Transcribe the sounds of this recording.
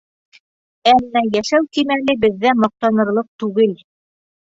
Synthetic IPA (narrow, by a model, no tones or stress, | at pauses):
æmːæjæʃæwkimælɘbɘ̆ðːæmɑq̚t̪ɑnɤ̆ɾlˠɤq̚t̪ʉɡɘl